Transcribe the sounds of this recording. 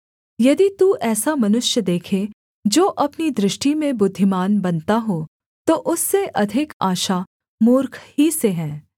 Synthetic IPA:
jɐd̪it̪uʔɛːsamɐnʊʃjəd̪eːkʰe | d͡ʒoːʔɐpnid̪ɾɪʃʈimẽbʊd̪ʱːɪmaːnbɐnt̪aɦoː | t̪oʔʊsːeʔɐd̪ʱɪkaːʃa | mʊːɾkʰɦiseɦɛ̃ː

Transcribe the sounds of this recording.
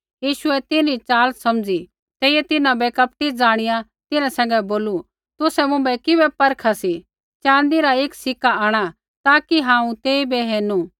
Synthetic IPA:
jiːʃʊɛt̪ɪnit͡ʃaːlsɐmd͡zi | t̪eːɪjɛt̪ɪnãbɛkɐp̚ʈid͡zaːɽ̃ɪjã | t̪ɪnãsɛ̃ːŋɡɛboːlu | t̪ʊsɛmʊ̃mbɛkɪbɛpɐɾkʰasi | t͡ʃãːnd̪iɾaeːksɪkːaaːɽ̃a | t̪aːkiɦãːũt̪eːibɛɦeːnu

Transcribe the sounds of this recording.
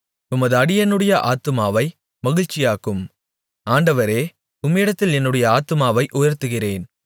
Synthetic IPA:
t̪ʊmɐðɯɐɽɪjɛnːɯɽɐjɐʔaːt̪ɯmaːʋɐɪ | mɐɣɪɻt͡ʃɪjaːkɯm | aːɳɖɐʋɐɾeː | ʊmɪɽɐt̪ːɪlɛnːɯɽɐjɐaːt̪ɯmaːʋɐɪʔʊjɐɾt̪ɯɣɪreːn

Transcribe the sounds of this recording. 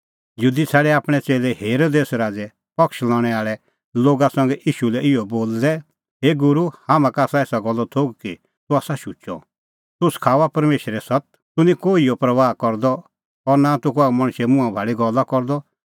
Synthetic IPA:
juːd̪it͡sʰɛːɽɛaːpɽ̃ɛt͡seːlɛheːɾoːd̪eːsɾaːd͡zɛ | pɔkʃlɔ̃ːɽ̃ɛaːɭɛ | loːɡasɐ̃ŋɡɛʔiːʃulɛʔɪɔboːld̪ɛ | ɦeːɡʊɾuhaːmãkaːsaeːsaɡɔlːɔt̪ʰoːɡ̚ki | t̪ʊaːsaʃut͡ʃɔ̰ | t̪ʊskʰaːʋapɐɾmeːʃɾɛsɔt̪̚ | t̪ʊnĩkoːiɔpɾɐʋaːkɔɾd̪ɔ | ɔɾnat̪ʊkoamɐ̃ɽ̃ʃɛmʊ̃ãbʱaːɭiɡɔlːakɔɾd̪ɔ

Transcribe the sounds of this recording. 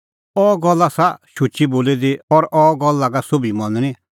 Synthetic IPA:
ɔːɡɔlːasaʃʊt͡ʃiboːlid̪iɔɾʔɔːɡɔlːaɡasobimɔ̃nñĩ

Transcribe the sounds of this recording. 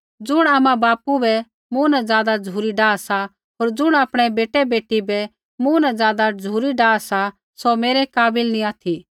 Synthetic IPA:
d͡zʊɽ̃aːmãbaːpubɛ | mũːnad͡zjaːd̪ad͡zʱuːɾiɖaːsa | ɦoːɾd͡zʊɽ̃aːpɽ̃ɛbeːʈɛbeːʈːibɛ | munãd͡zjaːd̪ad͡zʱuːɾiɖaːsa | someːɾɛkaːbɪlnĩaːt̪ʰi

